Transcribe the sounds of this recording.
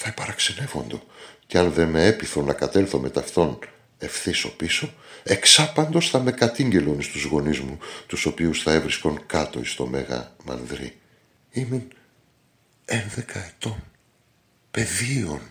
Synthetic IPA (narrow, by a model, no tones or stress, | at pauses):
θɐepɐɾɐkse̞ne̞vo̞nd̪o̞ceɐnðe̞meepiθunːɐkɐt̪e̞lθome̞t̪ɐft̪o̞n | e̞fθiso̞̰piso̞e̞ksɐpɐnd̪o̞sθɐme̞kɐt̪iɲɟe̞lo̞nist̪uzɣo̞nizmut̪uso̞piusθɐe̞vɾisko̞ŋkɐt̪o̞̰ist̪o̞me̞ɣɐ̰mɐ̰nðɾi | imin | enðe̞kɐe̞t̪o̞n | pe̞ðio̞n